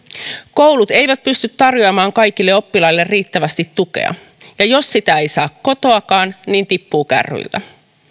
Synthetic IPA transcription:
ko̞wlut̪ejʋæt̪̚pyst̪yt̪tːɑrjoɑmɑːŋkɑjkilːe̞o̞pːilɑjlːe̞rːiːt̪ːæʋæst̪it̪ːuke̞̰ɑ̰ | jɑjo̞sːit̪æe̞jsɑːkkːo̞t̪o̞ɑkɑːnniːnt̪ipːuːkæ̰rːy̰ilt̪æ

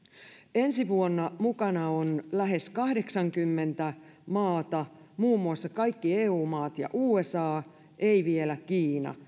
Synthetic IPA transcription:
e̞nsiʋuonːɑmukɑnɑonlæɦe̞skɑhde̞ksɑŋkymːe̞nt̪æ | mɑːt̪ɑ | muːmːuɑsːɑkɑjkːieːuːmɑːt̪jɑ̰ʔuːesɑː | ʔeiʋielækiːnɑ̰

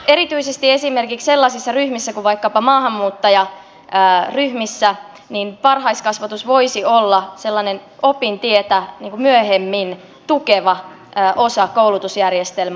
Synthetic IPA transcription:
eɾit̪yisest̪iesimerkiksselːɑsisːɑryhmisːækuʋʋɑikːɑpɑmɑːhɑmːuːt̪ːɑjɑ | əːryhmisːæ | ninpɑrhɑiskɑsʋɑt̪usʋo̞isiolːɑselːɑnenopint̪iet̪æniːŋkumyøɦemːin | t̪ukeʋɑː | ʔosɑkoulut̪usjærjest̪elmæ

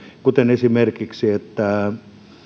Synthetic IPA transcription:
kut̪enesimerkiksiet̪ːæ

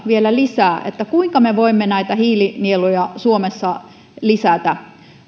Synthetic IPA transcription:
ʋielælisæːʔḛt̪ːækuiŋkɑmeʋoimːenæit̪æhiːlinielojɑsuomesːɑ | lisæt̪æ

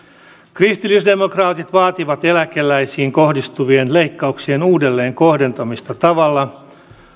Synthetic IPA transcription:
krist̪ilːisde̞mo̞krɑːt̪it̪ʋɑːt̪iʋɑt̪e̞lækelːæjsiːŋko̞hdist̪uʋie̞nle̞jkːɑuksie̞nuːde̞lːe̞ːŋko̞hde̞nt̪ɑmist̪ɑt̪ɑʋɑlːɑ

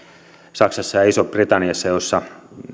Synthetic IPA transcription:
sɑksɑsːɑjɑisopbrit̪ɑnːiɑsːɑjosːɑ

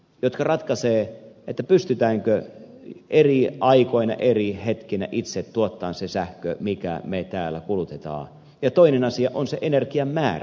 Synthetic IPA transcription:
jot̪kɑrɑt̪kɑseːet̪ːæpyst̪yt̪æːŋkø | eriʔɑikoinɑ̰ʔerihet̪kinæ̰ʔit̪set̪t̪uot̪ːɑːnsesæhkø̰mikæ̰met̪æːlːæ̰kulut̪et̪ɑ̰ː | jɑt̪oinenɑsiɑʔonseʔenerkiɑmmæːr

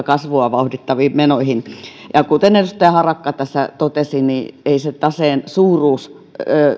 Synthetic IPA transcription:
kɑsʋoɑʋɑuhdit̪ːɑʋiːmmenoihinjɑkut̪enerust̪æihɑrɑkːɑt̪æsːæt̪ot̪esinieiset̪ɑseːnsuːruːs

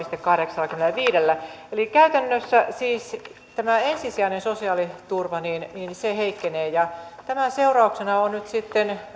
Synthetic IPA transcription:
ist̪ekːɑhɾeksɑlːɑkymelæʋiːdelːæelikæyt̪ænːøsːæsiːs | t̪æmæensisiæinensosiɑːlit̪urʋɑniːnniːnseheikːeneːjɑt̪æmæseurɑuksenɑonnyt̪sit̪ːen

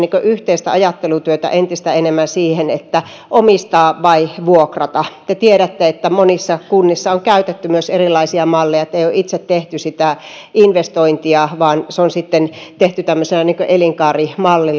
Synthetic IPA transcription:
niːŋkøʔyht̪eist̪æɑjɑt̪ːelut̪yøt̪æ̰ʔent̪ist̪æenemːænsiːhenet̪ːæ | ʔomist̪ɑːʋʋɑiʋuokrɑt̪ɑt̪et̪ieɾæt̪ːeet̪ːæmonisːɑkunːisːɑoŋkæyt̪et̪ːymyøserilːˑɑisiɑmɑlːejɑet̪ːæeijoʔit̪set̪teht̪ysit̪æ | ʔinʋest̪oint̪iɑʋɑːnseonsit̪ːent̪eht̪yt̪æmːøselɑniːŋkøʔeliŋkɑːrimɑlːi

